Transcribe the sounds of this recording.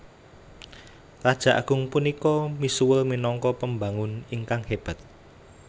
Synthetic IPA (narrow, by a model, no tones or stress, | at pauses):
rad̥ʒ̥a̤ʔa̰ɡ̥ʊ̤ŋpunikɔmisuwəlminɔŋkɔpəmbaŋʊniŋkaŋheb̥a̤t̪̚